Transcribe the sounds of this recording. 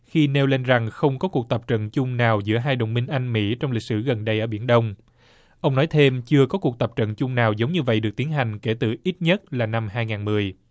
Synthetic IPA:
xi˧ne˧wle˧nza˨˩ŋxə˧wŋ͡mkɔ˨˦ku˨˩ək̚t̪ə˨˩p̚t͡ɕə̰˧˨nt͡ɕʊ˧ŋ͡mnaː˨˩wzɨ̰˧˥əɦaː˧jɗə̰˨wŋ͡mmi˧ŋ̟ʔa˧jŋ̟mḭ˧˥t͡ɕɔ˧wŋ͡mli˨˩k̚sɨ˧˩ɣə˨˩nɗə˧jʔəː˧˩ɓḭ˧˩ənɗə˧wŋ͡m | ʔə˧wŋ͡mnɔ˨˦jt̪ʰe˧mt͡ɕɨ˧əkɔ˨˦ku˨˩ək̚t̪ə˨˩p̚t͡ɕə̰˧˨nt͡ɕʊ˧ŋ͡mnaː˨˩wzə˨˦wŋ͡mɲɨ˧və̰˧˨jɗɨ˨˩ək̚t̪i˨˦nɦa˨˩jŋ̟ke˧˩t̪ɨ˨˩ʔi˦˥t̚ɲə˦˥t̚laː˨˩na˧mhaː˧jŋaː˨˩nmɨ˨˩əj

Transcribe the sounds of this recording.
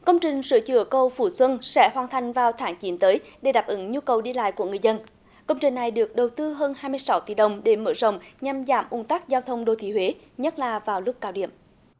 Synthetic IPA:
kə˧wŋ͡mt͡ɕï˨˩ŋ̟sɨ̰˧˥ət͡ɕɨ̰˧˩əkə˧wfṵ˧˩swə˧nsɛ̰˧˥ɦwaː˨˩nt̪ʰa˨˩jŋ̟vaː˨˩wt̪ʰaː˨˦ŋt͡ɕi˨˦nt̪əː˨˦jɗe˧˩ɗaː˨˩p̚ʔɨ˨˦ŋɲu˧kə˨˩wɗi˧la̰ː˧˨jku˧˩əŋɨ˨˩əjzə˧n | kə˧wŋ͡mt͡ɕï˨˩ŋ̟na˨˩jɗɨ˨˩ək̚ɗə˨˩wt̪ɨ˧ɦəː˧nhaː˧jmɨ˧əjsa˨˦wt̪ḭ˧˩ɗə˨˩wŋ͡mɗe˧˩mə̰˧˥zə̰˧˨wŋ͡mɲa˨˩mza̰ː˧˩mʔʊ̰˨˧˩ŋt̪a˦˥k̚zaː˧wt̪ʰə˧wŋ͡mɗo˧t̪ʰḭ˧˦ɦwe˨˦ | ɲə˦˥t̚laː˨˩vaː˨˩wlʊ˦˥k͡p̚kaː˨˧˦wɗḭ˧˨əm

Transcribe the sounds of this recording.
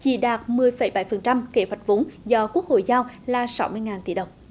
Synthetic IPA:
t͡ɕḭ˧˩ɗaː˨˩t̚mɨ˨˩əjfə˧˩˦jɓa˧˩jfə˨˩nt͡ɕa˧mke˧˦hwa˨˩jt̚vo˨˦nzɔ˧ku˦˥ək̚ho̰˧˨jzaː˧wlaː˨˩sa˨˦wmɨ˧əjŋaː˨˩nt̪ḭ˧˩˦ɗə˨˩wŋ͡m

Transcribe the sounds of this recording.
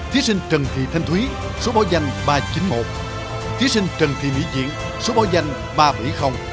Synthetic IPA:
t̪ʰi˨˦əsï˧ŋ̟t͡ɕə˨˩ŋt̪ʰḭ˧˨t̪ʰa˧jŋ̟t̪ʰwi˨˦ | so˨˦ɓa˨˦wza˧jŋ̟ɓaː˧t͡ɕi˨˦nmo˨˩t̚ | t̪ʰi˨˦əsi˧ŋ̟t͡ɕə˨˩ŋt̪ʰḭ˧˨mḭ˧˨zḭ˧˨ən | so˨˦ɓa˨˦wza˧jŋ̟ | ɓaː˧ɓa˧˩jxə˧wŋ͡m

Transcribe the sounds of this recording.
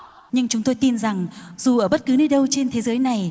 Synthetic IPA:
ɲɨ˧ŋt͡ɕʊ˨˦ŋ͡mt̪o˧jt̪i˧nza˨˩ŋzu˨˩ʔəː˧˩ɓə˦˥t̚kɨ˨˦ni˧˩ɗə˧wt͡ɕe˧nt̪ʰe˨˦zəː˨˦jna˨˩j

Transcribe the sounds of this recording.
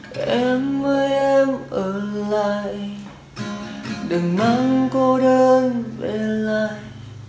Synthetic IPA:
ʔɛ˧mvəː˧˦jʔɛ˧mʔəː˧˩la̰aː˧˨j | ɗɨ˨˩ŋma˧˦ŋko˧ɗəː˧nve˨˩laː˧˨j

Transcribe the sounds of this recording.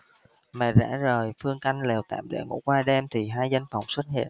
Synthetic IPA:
mɛ̰˧˩za̰ː˧˥zəː˨˩jfɨ˧əŋka˧jŋ̟le˨˩wt̪a̰ː˧˨mɗḛ˧˥ŋṵ˧˥əkwaː˧ɗɛ˧mt̪ʰi˨˩ɦaː˧jza˧jŋ̟fa˨˩wŋ͡mswə˦˥t̚hḭ˧˨ən

